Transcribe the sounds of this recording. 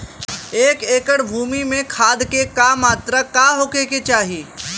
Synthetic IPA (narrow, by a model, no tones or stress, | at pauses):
eːkeːkəɽbʱuːmimẽkʰaːd̪kekaːmaːt̪ɾakaɦoːkeket͡ʃaːɦiː